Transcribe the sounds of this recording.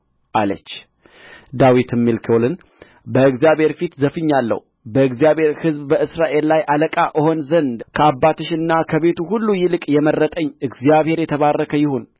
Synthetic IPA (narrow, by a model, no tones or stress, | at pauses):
ʔalə̰t͡ʃː | d̪awit̪ɨmːilkʰiolɨn | bəɨɡzijaβhe̞ɾfit̪zəfɨɲːalːə̰hu | bəɨɡzijaβhe̞ɾhɨzbbəɨsɾaʔe̞llajʔaləkʼaʔɨho̞nzənd̪kʰəabːat̪ʰɨʃɨnːakʰəβe̞t̪uɦulːujɪlɨkʼjɛmərːət̪ʼəɲːɨɡzijaβhe̞ɾjɛt̪ʰəβarːəkʰəjɪho̞n